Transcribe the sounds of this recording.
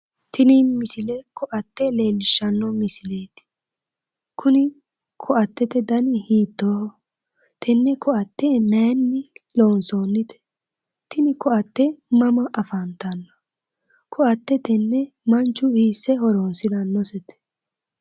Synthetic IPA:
t̪ɪnimɪsɪlɛkʰɔʔɐt̪ːɛle̞ːlːɪʃːɐnːɔmɪsɪle̞ːt̪ɪ̥ | kʰʊnɪ | kʰɔʔɐt̪ːɛt̪ɛd̪ɐnɪhiːt̪ːoː | t̪ʰɛnːɛkʰɔʔɐt̪ːɛnɛːnːɪloːnsoːnːɪt̪ɛ̥ | t̪ɪnɪkɔɐt̪ːɛmɐmɐʔɐfɐnt̪ɐnːɐ̥ | kʰɔʔɐt̪ːɛt̪ɛnːɛ | mɐnt͡ʃːʊhiːsːɛɦɔɾoːnsɪd̪ɐnːɔsɛt̪ɛ̥

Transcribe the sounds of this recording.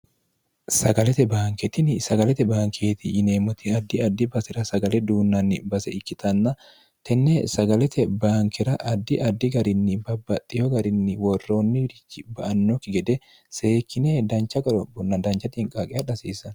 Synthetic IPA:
sɐɡɐlɛt̪ɛbaːŋkɛt̪ɪnɪsɐɡɐlɛt̪ɛbaːŋkʰeːt̪ɪʔːneːmɔt̪ɪɐd̪ːɪɐd̪ːɪbɐsɛɾɐsɐɡɐlɛd̪uːnːɐnːɪbɐsɛ̰ɪkːɪt̪ʰɐnːɐ | t̪ʰɛnːesɐɡɐlɛt̪ɛbaːŋkɛɾɐʔɐd̪ːɪʔɐd̪ːɪɡɐɾɪnːɪbɐbːɐt̪ʼːɪjɔɡɐɾɪnːɪwɔrːo̞ːnːɪɾɪkːɪbɐʔɐnːɔkːɪɡɛd̪ɛ | se̞ːkʰːɪned̪ɐnt͡ʃːɐɡɔɾɔbʊnːɐd̪ɐnt͡ʃːɐt̪ɪŋkʼaːkʼɪjɐᶑɐsiːsɐn

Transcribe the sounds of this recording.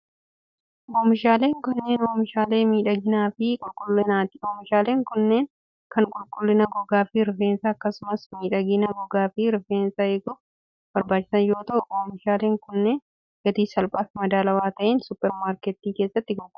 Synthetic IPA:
ʔoːmɪʃaːle̞ːŋkɐnːe̞ːnoːmɪʃaːleːmiːᶑɐɡɪnaːfɪkʼʊlkʼʊlːɪnaːt̪ɪoːmɪʃaːle̞ːŋkʊnːeːn | kɐŋkʼʊlkʼʊlːɪnɐɡɔɡaːfɪɾɪfeːnsɐːkːɐsʊmɐsmiːᶑɐɡɪnɐɡɔɡaːfɪɾɪfeːnsɐɛɡʊ | b̥ɐɾbaːt͡ʃːɪ̥sɐnjo̞ːt̪ɐʔʊʔoːmɪʃaːleːŋkʊnːeːn | ɡɐt̪iːsɐlpʼaːfmɐd̪aːlɐwaːt̪ɐʔeːnsʊpːɛɾmaːɾkɛt̪ːiːke̞ːsːɐt̪ːɪɡɔɡ

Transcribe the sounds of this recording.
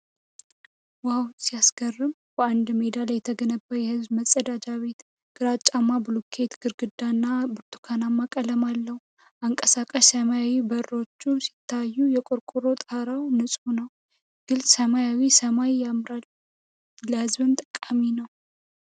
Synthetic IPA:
wawsijasɡ̥ərːɨm | bəand̪me̞d̪aljːɛt̪ʰəɡənəbːajɛhɨzbməsʼəd̪ad͡ʒaβe̞t̪ | ɡ̥ɨɾat͡ʃʼːamːabɨlukʰe̞t̪ɡ̥ɨɾɡɨd̪ːanːabɨɾt̪ʰu̥kʰanamːakʼələmalːəh | ʔaŋkʼəsakʼəʃsəmajawibəɾːo̞t͡ʃːusi̥t̪ʰːajːujɛkʼʊɾkʼuɾo̞t̪ʼaɾawnɨsʼunəw | ɡ̥ɨlsʼsəmajawisəmajamɾal | ləhɨzbɨnt̪ʼɨkʼaminəw

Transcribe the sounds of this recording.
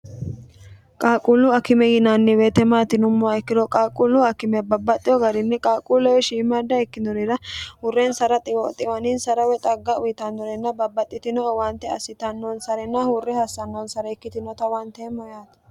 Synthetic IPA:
kʼaːkʼulːʊɐkɪmɛjɪnanːɪweːt̪ɛmaːt̪ɪnʊmːʊaɛkːɪɾɔkʼaːkʼʊlːʊɐkɪmɛbɐbːɐt̪ʼːɪjɔɡɐɾɪnːɛkʼaːkʼulɔwɛʃiːmɐd̪ːɐɛkːɪnɔɾɪɾɐhʊrːɛnsɐɾɐt̪ʼɪwɔt̪ʼɪwɐnɪnsɐɾɐwɛt̪ʼɐɡːɐʊjɪt̪ɐnːɔɾɛnːɐbɐbːɐt̪ʼːɪt̪ɪnɔwɐnt̪ːɛɐsɪt̪ɐnːonsɐɾɛnːɐhʊrːɛhɐsːɐnːoːnsɐɾɛɛkːɪt̪ɪnɔt̪ɐwɐnt̪ɛmɔjaːt̪ɐ

